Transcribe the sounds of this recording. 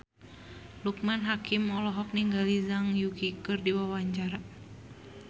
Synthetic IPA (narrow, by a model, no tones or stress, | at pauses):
luk̚manɦakimɔlɔɦɔk̚niŋɡalizaŋjukikɨrdiwawaɲt͡ʃaɾa